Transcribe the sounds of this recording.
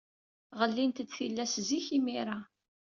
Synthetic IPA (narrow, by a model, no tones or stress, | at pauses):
ʁəlːint̪əd̪θilːæsziçimiɾˤa